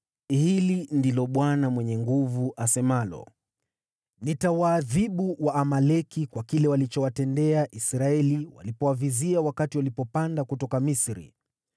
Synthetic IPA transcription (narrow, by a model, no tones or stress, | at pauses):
hilindilɔɓwanamwɛɲɛŋɡuvuʔasɛmalɔ̰ | nitawaːðiɓuwaːmalɛkikwakilɛwalit͡ʃɔwatɛndɛaʔisɾaɛliwa̰lipɔwaviziawakatiwalipɔpandakutɔkamisɾḭ